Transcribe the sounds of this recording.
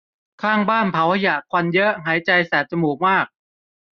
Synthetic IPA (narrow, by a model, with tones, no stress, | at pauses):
kʰaː˥˩ŋbaː˥˩npʰa˩˦wha˧ja˨˩kʰwa˧njɤ˦˥ʔɦaː˩˦jt͡ɕa˧jsɛː˩˦t̪̚t͡ɕa˧muː˨˩k̚maː˥˩k̚